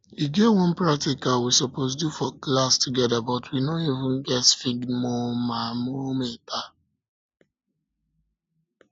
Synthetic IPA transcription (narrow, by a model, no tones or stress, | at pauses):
iɡewɔ̃npɹak̚tikawisɔpos̬dufɔklastuɡɛdabɔtwinonivʊ̃nɡɛtfiɡmomamometa